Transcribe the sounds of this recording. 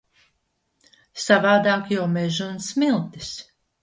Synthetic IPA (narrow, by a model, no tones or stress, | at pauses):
savaːd̪aːkjawmɛʒunsmilˠt̪i̥s